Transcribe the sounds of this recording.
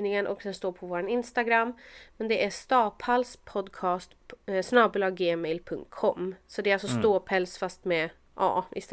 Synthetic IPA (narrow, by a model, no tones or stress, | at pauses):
nɪŋənʔɔ̰kd̪ɛnst̪oːɾpʰɔvoːɾanɪnst̪aɡɾamːmɛnd̪ɛʔæst̪ɑːpʰalspʰɔd̪kʰɑːst̪snɑːbɵlɑːɡːeːmɛjlpʰɵŋt̪̚kʰɔmːsɔd̪ɛalsɔst̪oːpʰɛlsfast̪mɛ | ʔɑ̰ːɪ̰s